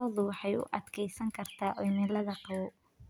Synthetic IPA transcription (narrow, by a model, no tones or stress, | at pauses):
ɔðʊwɑħɑjʊ̰ʔɑd̪kʰɛjsɐŋkʰɐrt̪ʰaːʔɔjmɛːlɐðɐqɑwʊ